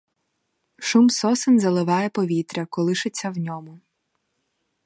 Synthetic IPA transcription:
ʃumsɔsɪnzɐlˠɪʋɑjɛpɔʋʲit̪ɾʲɐkɔlˠɪʃɪt͡sʲːɐwnʲɔmʊ

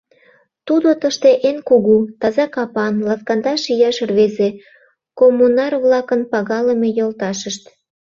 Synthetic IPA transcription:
t̪ud̪ot̪əʃt̪eʔenkuɣut̪ɑzɑkɑpɑnlɑfkɑnd̪ɑʃijɑʃrβeze | komːunɑrβlɑkənpɑɣɑləmejolt̪ɑʃəʃt̪

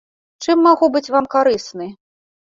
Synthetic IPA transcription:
t͡ʂɨmːaɣubɨt͡sʲvamkaɾɨsnɨ

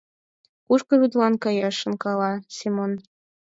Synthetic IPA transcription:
kuʃkɤ̆βyd̪lɑnkɤjɑʃə̆nkɑlɑsemon

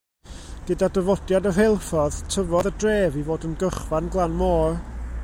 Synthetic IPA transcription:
ɡ̥ədadəvɔdjadɔɦelˠfɔðtʰəvɔðədreːvivoːdənɡəχvanɡlˠanmɔːr

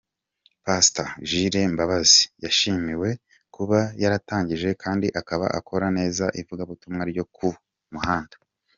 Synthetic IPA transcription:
pastaʒiɾe̞mbaβazijaʃiːmiwe̞ | kuβajaɾataːɲɟiʒe̞kʰaːndiʔakaβa̰ʔa̰kʰo̞ɾane̞ːzaʔivuɡaβutumŋaɾɟo̞kʰu | muhaːndḁ

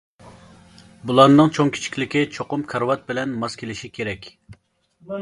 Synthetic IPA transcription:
bulˠɑnnːɨŋt͡ʃʰoŋkʲʰi̥t͡ʃʰi̥kʲlɪkʲit͡ʃʰoqʊmkʰɑɾwɑt̪̚bɪlɛnmɑskʲʰelɪʃikʲʰeɾɛkʲ

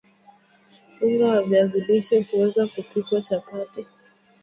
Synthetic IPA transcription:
kifuŋɡaavjaviliʃɛhuwɛzakupikwat͡ʃapatɛ

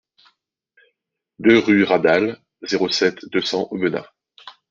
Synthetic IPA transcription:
d̪øʁyʁad̪al | zeʁosɛt̪d̪øsɑ̃ʔobənã̰

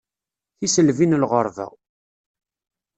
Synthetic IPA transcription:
θisəlvinlʁəɾˤvæ̰w

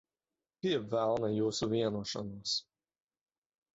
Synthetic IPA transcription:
piɛvælˠnajuːsuvʲiɛnuɔʃɔ̰nuɔs

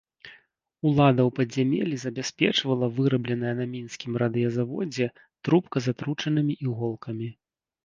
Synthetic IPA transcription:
ulˠad̪ɐwpɐdʲzʲamʲɛ̰lʲizɐbʲasʲpʲɛt͡ʂvɐlˠɐvɨɾɐblʲɛnɐjɐnɐmʲinsʲkʲimrad̪ɨjɐzavɔ̰d͡zʲɛ | t̪ɾupkɐzat̪ɾut͡ʂɐnɨmʲiʔiɣɔlˠkɐmʲi

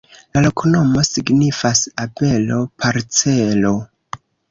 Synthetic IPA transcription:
lalokʰuno̞mo̞siɡnifasabe̞lo̞pʰaɾt͡se̞lo

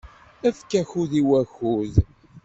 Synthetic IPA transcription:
æfkːæçuðiwæxuð

